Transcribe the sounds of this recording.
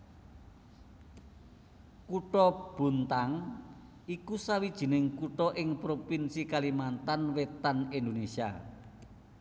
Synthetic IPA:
kuʈɔb̥ṳnt̪aŋ | ikusawid̥ʒ̥i̤nɪŋkuʈɔʔɪŋpɾopinsikalimant̪anwet̪anind̪onesia̰

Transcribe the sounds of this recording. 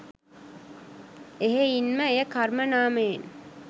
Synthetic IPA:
eɦeinməejəkarmənaːmejen

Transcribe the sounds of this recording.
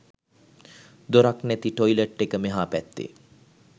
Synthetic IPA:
d̪oɾaknæt̪iʈojləʈːekəmeɦaːpæt̪ːḛ

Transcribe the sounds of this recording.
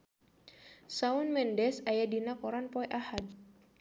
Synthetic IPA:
saunmɛndɛsajadinakɔɾanpɔɛʔahad̚

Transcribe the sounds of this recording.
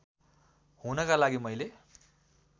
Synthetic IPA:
hunʌkalaɡimʌjle

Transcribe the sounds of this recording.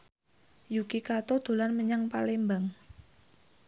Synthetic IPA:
jukikat̪od̪̥o̤lanməɲaŋpalembaŋ

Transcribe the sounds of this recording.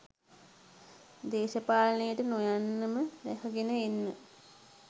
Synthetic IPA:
d̪eːʃəpaːlnəjəʈənojanːəməɾæhəɡenəenːə

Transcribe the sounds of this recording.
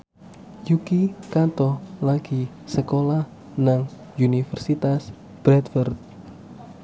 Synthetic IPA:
jukikat̪ɔlaɡ̥i | səkolah | naŋ | unifərsit̪as | b̥ɾɛt̪fərt̪̚

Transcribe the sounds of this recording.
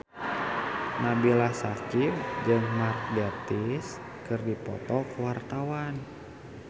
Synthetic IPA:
nabilahsakimd͡ʒɨŋmark̪̚dɛt̪is | kɨrdipɔ̰t̪ɔkuwart̪awan

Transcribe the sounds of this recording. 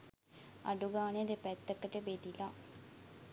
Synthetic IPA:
a̰ɖuɡaːneəd̪epɛt̪ːəkəʈəbed̪ila

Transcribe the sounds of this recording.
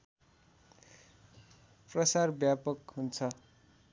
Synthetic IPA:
prʌsarbjapʌkɦunt͡sʰʌ

